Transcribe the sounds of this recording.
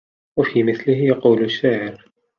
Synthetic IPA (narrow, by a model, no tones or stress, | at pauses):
wafiːmɪθlɪhjɑquːlʊʃːaːʕɪɾ